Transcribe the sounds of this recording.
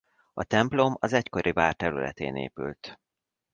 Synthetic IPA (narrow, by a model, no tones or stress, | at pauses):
ɒt̪ɛmplo̞mɒzɛcko̞ɾʔivaːrt̪ɛɾylɛ̰t̪eːnḛːpy̰lt̪